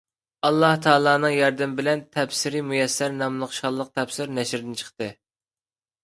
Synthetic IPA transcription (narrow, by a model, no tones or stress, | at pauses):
ɑlˠːɑht̪ʰɑːlˠɑːnɨŋjɑɾd̪ɪmbɪlɛnt̪ʰɛpsɪɾimujɛsːæɾnɑmlˠəχʃɑlˠːəq̚t̪ʰɛpsɪɾnɛʃɾd̪ɪnt͡ʃʰə̥χt̪ɨ